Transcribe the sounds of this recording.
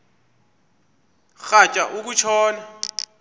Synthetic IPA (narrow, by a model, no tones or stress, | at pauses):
xat͡ʃʼa̰ʔuk̬ut͡ʃʰɔːna